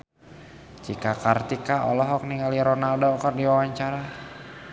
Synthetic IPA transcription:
t͡ʃikakart̪ikaɔ̰lɔɦɔk̚niŋɡaliɾonaldɔːkardiwawaɲt͡ʃaɾa

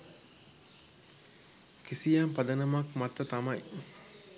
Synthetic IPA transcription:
kisijampad̪ənɐmakmat̪ːət̪amɐj

